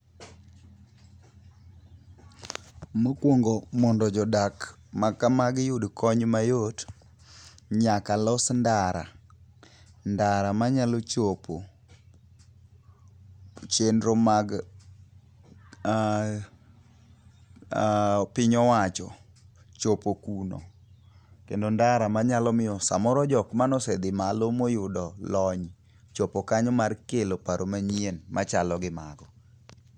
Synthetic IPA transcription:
mokwoŋɡomɔndɔd͡ʒɔdakmakamaɡjudkʰɔɲmajot | ɲakalɔsndaɾa̰ | ndaɾamaɲalot͡ʃopo | t͡ʃendɾomaɡ | pɪɲɔwat͡ʃɔ | t͡ʃopokuno̰ | kendondaɾamaɲalɔmɪjɔsa̰mɔɾɔd͡ʒɔkmanɔsɛd̪ɪmalomojʊdɔlɔɲ | t͡ʃopokaɲɔmarkelopaɾomaɲienmat͡ʃalɔɡɪmaɡɔ

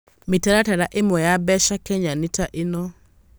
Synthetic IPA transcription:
mɪtaɾataɾaʔemwɔjabɛʃakɛɲanitaʔenɔ

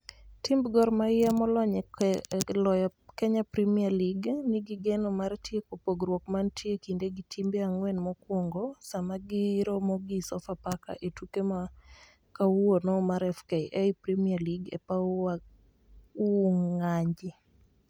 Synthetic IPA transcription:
timbɡɔrmaɪjamɔlɔɲɛ | lɔjɔkɛɲapɾimialiɡniɡiɡɛnɔmaɾtjekopoɡɾwokmantʰjekindeɡitʰimbeaŋwɛnmɔkwoŋɡosamaɡiɾɔmɔɡisɔfapaka̰ʔetukema | kawonɔmaɾɛfkejʔɛipɾimialiɡḛpaa | uŋŋaɲd͡ʒi

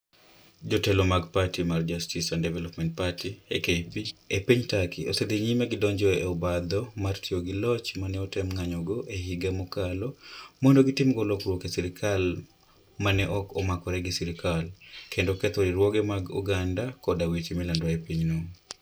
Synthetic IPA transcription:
d͡ʒɔtɛlomaɡpatimard͡ʒastisandɛvɛlɔpmɛnt̚patiekepiepiɲtakiosed̪eɲimeɡɪdɔɲd͡ʒɔḛɔbad̪ɔmartʰioɡɪlɔt͡ʃmanɛɔtɛmŋaɲɔɡɔʔehiɡamɔkalɔmɔndoɡitimɡɔlɔkɾwɔkesiɾɪkʰal | manɛʔɔkɔmakɔɾɛɡisiɾikʰalkendokɛt̪ɔɾiɾwɔɡɛmaɡṵɡandakɔdawitimilandwaepiɲnuŋ

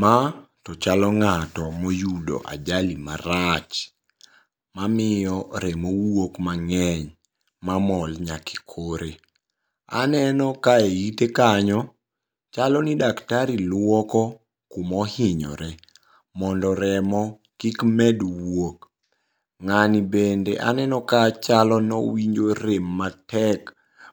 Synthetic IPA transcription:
ma | tɔt͡ʃalɔŋatɔmojudo̰ʔa̰d͡ʒalimaɾat͡ʃ | mamɪjɔɾɛmowokmaŋɛɲ | mamɔlɲaki̥kʰoɾe | a̰nɛnɔkaeitekaɲɔ | t͡ʃalɔnidaktaɾilwɔkɔ | kumɔhɪɲɔ̰ɾɛ | mɔndɔɾɛmɔ | kikmɛdwok | ŋanibendeʔa̰nɛnɔkat͡ʃalɔnɔ̰wiɲd͡ʒoɾemːatɛk

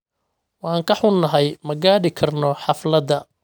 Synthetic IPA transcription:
wɑːŋkʰɐħʊnːɐɦɛjmɐɡaːɽɪkʰɐrnɔħɑflɐd̪ɐ

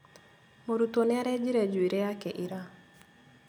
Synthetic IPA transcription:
moɾut̪onɛɾɛd͡ʒiɾed͡ʒwiɾeakɛʔɪɾa

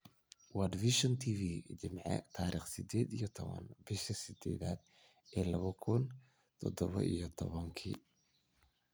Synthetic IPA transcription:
wad̪viʃɔnt̪ʰiːviːt͡ʃɪmʕɛ̰t̪ʰaːɾiːχsɪd̪ɛːd̪ijɔt̪ʰɔβɐ̰nbɪʃɐsɪd̪ɛ̰ːðaːd̪̚ | ʔɛːlɐβɐkʰʊn | t̪ʰɔd̪ɔβɐ̰ʔijɔt̪ʰɔβɐŋkʰḭː

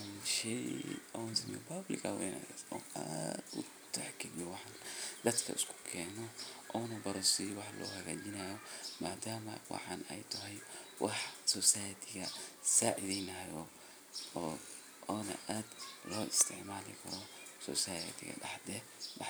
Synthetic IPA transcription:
ʃɛjɐwnsɪmpɐblɪ̰kɐwɛ̰jna̰ɔːa̰d̪ʊ | t̪ʰaħkʰiɡɔwɑħɑnd̪ɐd̪kʰɐ̰ɪskʰʊ̥kʰɛːnɔʔɔːnɐbɐɾɐsijwɑħlɔ̰ːhɐɣaːd͡ʒɪnɐjɔmaːd̪aːmɐ̰wɑ̰ħɑːnɛ̰jt̪ʰɐɦɛjwʔɑħsɔːsaːjɐt̪ʰɪɣɐsaːʔɪðɛjnɐjɔː | ɔːnɐ̰ʔaːd̪lɔːɪst̪ʰɪʕmaːlɪ̰kʰɐ̰ɾɔsɔ̰ːsaːjɐ̰t̪ɪ̰ɣɐ̰ɖɑ̰ħd̪ɛ | wɑ

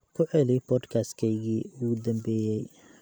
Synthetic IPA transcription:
kʰʊʕɛlibʰɔːd̪kʰaskʰɛjɣiːʊɣʊd̪ɐmbɛːjɛj

